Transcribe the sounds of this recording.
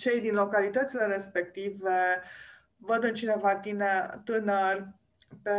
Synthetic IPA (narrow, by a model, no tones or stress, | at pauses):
t͡ʃejd̪inlo̞kalit̪ət̪sile̞ɾe̞spe̞kt̪ive | vəd̪ɨnt͡ʃinevat̪inet̪ɨnərʲ | pe